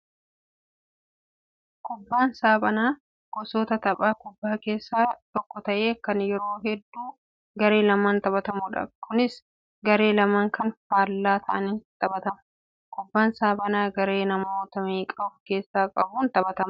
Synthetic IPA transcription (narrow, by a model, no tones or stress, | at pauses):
kʊbːaːnsaːbɐnaː | ɡ̥ɔsoːt̪ɐt̪ɐbʼaːkʊbːaːke̞ːsːaːt̪ɔkːɔt̪ɐʔe̞ːkːɐnjɛɾo̞ːɦɛd̪ːuː | ɡɐɾe̞ːlɐmaːnt̪ɐbɐt̪ɐmʊᶑɐ̰kʰʊnɪs | ɡɐɾe̞ːlɐmaːŋkɐnfaːlːaːt̪ʰɐʔɐnɪnt̪ʼɐbɐt̪ɐmʊ | kʊbːaːnsaːbɐnaːɡɐɾe̞ːnɐmoːt̪ɐmiːkʼɐbʊfke̞ːsːaːkʼɐbuːnt̪ɐbɐt̪ɐm